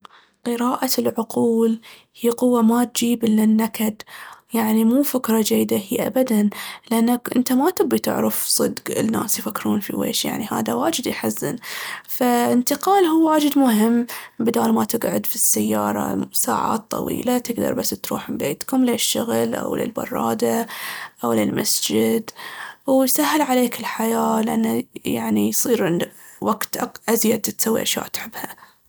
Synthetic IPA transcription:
qɨɾaːʔalʕʊquːl | hiːqʊwːamat̪̚d͡ʒiːbɪlːanːakad̪jaʕnimuːfɪkɾˤɑd͡ʒajːd̪ahiːʔa̰bad̪anlɪʔanːakʔɪnt̪amat̪ɪbːit̪ɪ̰ʕɾɑfsˤɨd̪ɡɪ̰nːa̰ːsjfakːɾuːnfḭwḛːʃja̰ʕniha̰ːðawaːd͡ʒɪd̪jħazːɪ̰nfaɪnt̪ɪqɑːlhuːwaːd͡ʒɪd̪mʊɦɪmːbɪd̪aːlmat̪ɪɡʕʊd̪fisːajːɑːɾˤɑ̰sa̰ːʕa̰ːt̪ˤːɑ̰wḭːlat̪ɪɡd̪ɑ̰ɾˤbasːt̪ɾṵːħmɪmbeːt̪kʊmleʃːʊɣlʔa̰wlɪ̰lbɑ̰rˤːɑːd̪aʔawlɪlmasd͡ʒɪd̪wjsahːɪlʕaleːkɪlħajaːlɪʔanːajaʕnijsˤiːɾʕɪnd̪waɡt̪ʔʔazjad̪̚t̪sawːḭʔaʃja̰ːʔt̪ħɪbːha

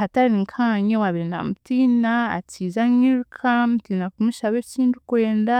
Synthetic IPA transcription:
ataɾiŋkʰaɲewaβiɾina̰mutinaa̰t͡sizaɲiɾkʰam̩tiːnakumiʃaβesiːndukweːnda

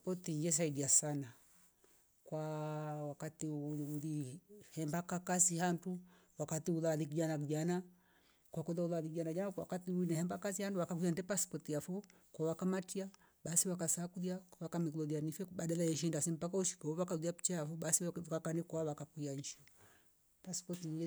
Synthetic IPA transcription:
pɔtiɲd͡ʒɛs̬aidiasana | kwawakatiulihɛmbakakasihantu | wakatiulalikid͡ʒanakid͡ʒana | kwakuðaulaðikiɟanakd͡ʒanawa̰katiuinɛhɛmbakasihanduwakakijandɛpaspɔtiafɔ | kɔwakamatia | ɓasiwakasakuðiakwakamiklɔlianifɛɓaɗalajɛʃ̬indasɛmpakauʃi̥kaɔβakauðiapi̥t͡ʃaafɔɓasikakanikɔaβakakuaɲʃɔ | paspɔtɲ

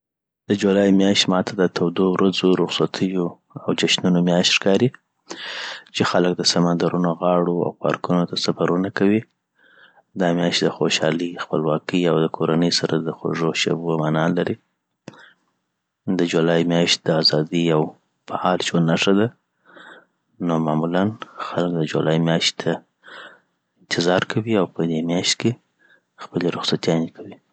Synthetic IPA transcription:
d̪̥əd͡ʒulɑjmjɑʃt̪mɑt̪ʰad̪ət̪ʰawd̪owɾazoɾʊxsat̪ʰəjo | awd͡ʒaʃnunomjɑʃt̪ʃkɑɾi | t͡ʃexalək̚d̪əsamand̪aɾunoɣɑɽoa̰wkɑ̰ɾkunot̪asafaɾunakawi | d̪ɑmjɑʃt̪̚d̪əxoʃɑ̰lixpəlwɑkəjawd̪əkʰoɾanəjsaɾʔad̪əxo̰ʐoʃa̰bomanɑlaɾi | d̪əd͡ʒulɑjmjɑʃt̪̚d̪əazɑd̪ijaw | faɑlt͡ʃonːaʂad̪a | nomamulanxalkd̪əd͡ʒṵlɑjimjɑʃt̪t̪ʰa | ɪnt̪ɪzɑɾkʰawiawpəd̪emjɑʃt̪ke | xpəleɾʊxsat̪jɑnekʰawi

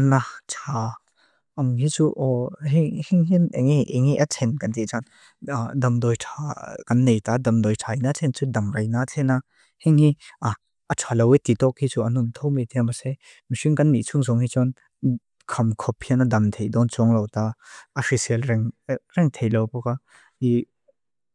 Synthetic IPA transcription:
natʰa | ʔɐŋɦit͡suʔɔɦihiŋɦineŋiʔeŋiʔɐtʰɛnkant̪it͡ʃɔn | dɐmdɔjtʰakanːejtadɐmdɔjtʰajnatʰɛnt͡sudɐmɾajnatʰɛna | hiŋhiʔa | ɐtʰalɔwet̪itɔk̚hit͡suɐnumt̪ʰɔwmit̪ʰɛmase | misiŋkanːit͡sʰuŋzɔŋhit͡ʃɔn | kʰɐmkʰɔphianadɐmtʰejdɔnt͡sɔŋlɔwtaːfisɛlɾɛŋɾɛŋtʰejlɔwpɔka | i

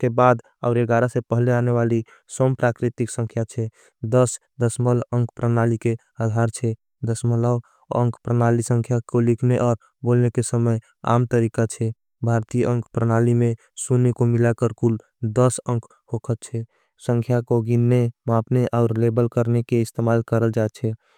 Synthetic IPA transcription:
kebad̪ | a̰ʊɾeɡaɾasepəɦleaneʋali | sompɾakɾit̪iksə̃ŋkʰjat͡ʃʰɛ | d̪əs | d̪əsmələ̃ŋkʰpɾənalike | ad̪ʱaɾt͡ʃʰɛ | d̪əsmələ | ə̰̃ŋkʰpɾənalisəŋkʰjakolikʰneʔɔːɾ | bolnekesəməj | a̰mt̪əɾikat͡ʃʰɛ | bʱaɾt̪ijəəŋkʰpɾənalimẽ | sunekomilakəɾkul | d̪əsəŋkʰ | hokʰət̪t͡ʃʰɛ | sə̃ŋkʰjakoɡinːemapneʔaʊɾlebəlkəɾnekeɪst̪emalkəɾəld͡ʒat͡ʃʰɛ

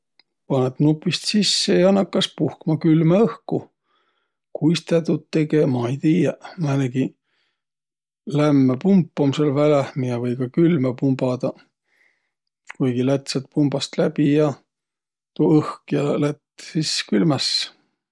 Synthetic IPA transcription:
pɑnet̪nupːˑist̪sisːejɑɑnɑkːɑspuhkmɑkylmeɤhku | kujst̪æt̪ut̪ːe̞ɡemɑejt̪iːjɑmæneɡi | læmːepumpːˑomselvælæhmiɑvɤjkɑkylmepumb̥ɑd̪̥ɑ | kujɡ̥ilæt̪set̪̚pumbɑst̪læb̥ijɑ | t̪uɤhkjɑlæt̪ːsiskylmæs

